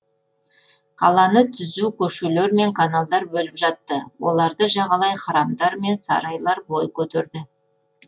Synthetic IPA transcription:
kʰɑlˠɑnət̪ʰʏzukʲʰɵʃuleɾme̞ŋkʰanalˠd̪ɑɾbɵlɪpʒɑt̪ːəwo̞lˠɑɾd̪əʒɑʁɑlˠɑjχɑɾɑmd̪ɑɾme̞nsɑ̰ɾɑjlˠɑɾbo̞jkʲʰɵt̪eɾd̪ɪ

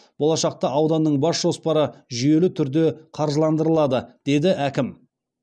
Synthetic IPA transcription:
b̥o̞lˠɑʃɑq̚t̪ɑʔɑwd̪ɑnːəɴbɑsʒo̞spɑɾəʒʏje̞lɪt̪ʰʏɾd̪e̞qʰɑɾʒəlˠɑnd̪əɾəlˠɑd̪əd̪̥e̞d̪ɪʔækʲɪm

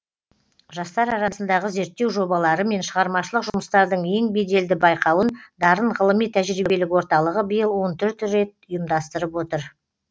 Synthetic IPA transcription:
ʒɑst̪ɑɾɑɾɑsənd̪ɑʁəze̞ɾt̪ːe̞wʒo̞bɑlˠɑɾəme̞nʃəʁɑɾmɑʃəlˠəqʒʊməst̪ɑɾd̪əɴe̞ŋbe̞jd̪e̞ld̪ɪbɑjqɑwənd̪ɑɾəɴʁəlˠəmijt̪ʰæʒɾibelɪkwo̞ɾt̪ɑlˠəʁəbəjəlˠwo̞nt̪ʰʏɾt̪ɾe̞t̪̚ʊjəmd̪ɑst̪əɾəpwo̞t̪əɾ

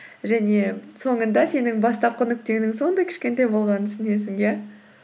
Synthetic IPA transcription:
ʒæne̞so̞ɴənd̪ɑse̞nɪŋbɑst̪ɑp̚qʰʏnɪk̚t̪e̞ɡɪnɪŋso̞nd̪ɑjkʲʰʃkʲe̞nt̪ejbo̞lˠʁɑnənsɪne̞s̬ɪŋjæ

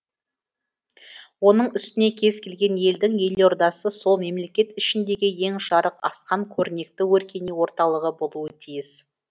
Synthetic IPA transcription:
wo̞nəɴʏst̪ɪne̞kʲʰe̞zkʲʰe̞lɡʲe̞nje̞ld̪ɪŋje̞lo̞ɾd̪ɑsəso̞lˠme̞mle̞kʲe̞t̪ɪʃɪnd̪e̞ɡʲɪje̞ŋʃɑɾəqɑ̰sqɑŋkʲʰɵɾɪne̞k̚t̪ɪwɵɾkʲe̞niwo̞ɾt̪ɑlˠəʁəbo̞lˠuət̪ʰijɪs

